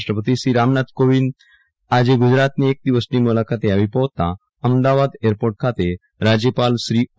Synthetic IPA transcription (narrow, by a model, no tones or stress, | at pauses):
ʈɾəpət̪iɕɾiɾamnat̪koʋin | ad͡ʑeɡud͡ʑɾat̪niek̚d̪iʋəsniːmulakʰat̪eaʋipəʋt̪a | əmd̪aʋad̪eɾpoɾʈ̚kʰat̪e | ɾad͡ʑjəpalsɾiː